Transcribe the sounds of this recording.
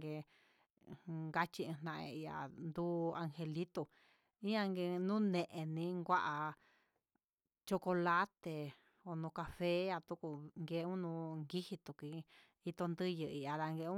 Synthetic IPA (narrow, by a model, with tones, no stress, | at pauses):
ɡe˧ | ŋɡa˦t͡ʃi˧ɨ̃˧n̥nã˧ʔḛ̃˧i˧a̰˨nd̪u˦a˧ŋhe˧li˦t̪o˧ | ĩ˦ã˧ŋɡe˧nũ˦nẽ˧ʔẽ˧nĩ˧˦ŋɡʷa˦ʔa˨ | t͡ʃo˧ko˧la˦t̪e˨ | o˨nũ˧ka˧fe˦ja˧t̪u˧˦ku˧ŋɡe˧˦˧ũ˦nũ˧ŋɡi˦hi˧t̪u˨ki˧ | i˧t̪o˧nd̪ɨ˦jɨ˧i˧a˧ða˧ŋɡe˧ũ˦